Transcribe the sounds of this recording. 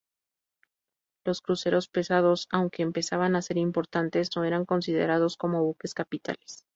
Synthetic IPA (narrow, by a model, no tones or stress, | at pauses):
lo̞skɾuse̞ɾo̞spe̞sað̞o̞sawŋke̞ːmpe̞saβanase̞ɾimpo̞ɾt̪ant̪e̞sno̞e̞ɾaŋko̞nsið̞e̞̰ɾað̞o̞sko̞mo̞βuke̞skapit̪a̰les